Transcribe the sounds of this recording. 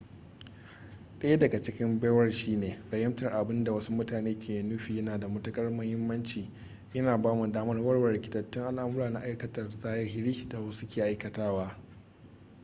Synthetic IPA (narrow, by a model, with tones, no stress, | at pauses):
ɗɐ˦ja˦dɐ˨ɡa˨t͡ʃɪ˦kʲɪ˦mbaː˦wɐ˦rʃiː˦neː˨fɐ˨jɐ˦mtɐ˨rʔa˨bɪ˦nda˨wɐ˦su˦mʊ˦taː˨neː˦kʲeː˨jnʊ˦ɸiː˨jɐ˦naː˨da˨mɐ˦tʊ˦kʼɐ˦rmɐ˦hɪ˦mːɐ˦nt͡ʃiː˨ | jɐ˦naː˨baː˦mu˨daː˦mɐ˦rwɐ˦rwɐ˨ɽɪ˨kʲɪ̥˨tɐ˨tːɪ˦ŋʔa˦lʔa˦mʊ˦ɾaː˨na˨ʔa˦jkɐ˦tɐ˨rzaː˦jɐ˦ɦɪ˦ɾiː˦da˨wɐ˦su˦kʲeː˨ʔa˦jkɐ˨taː˦waː˦